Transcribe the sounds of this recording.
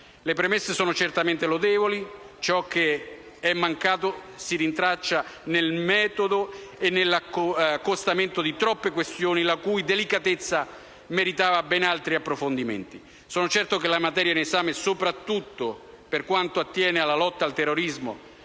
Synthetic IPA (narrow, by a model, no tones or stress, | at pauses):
lepɾemesːesɔːnot͡ʃert̪ament̪elod̪ɛːvoli | t͡ʃɔk̟ːe | ɛmːaŋkaːt̪̬o | sirint̪ɾat͡ʃːanelmɛːt̪od̪oenːelːakːost̪ament̪od̪it̪ɾɔpːekwest̪joːnilakujd̪elikat̪et̪sːa | meɾit̪aːvabɛnalt̪ɾiapːɾofond̪imḛnt̪i | sɔːnot͡ʃɛrt̪okelamat̪ɛːɾjainesaːmesopɾat̪ːut̪ːo | perkwant̪oat̪ːjɛːnealːalɔt̪ːalt̪ɛrːoɾizmo̰